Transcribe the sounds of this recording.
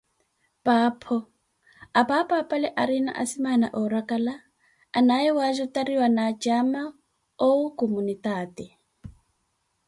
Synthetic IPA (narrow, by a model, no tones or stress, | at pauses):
paːpʰɔ | apapapʼalɛʔaɾina̰ʔa̰simana̰ʔɔɾakʼalaː | naɛwazɔtaɾiwanad͡ʒama | oukomunitaːtɛ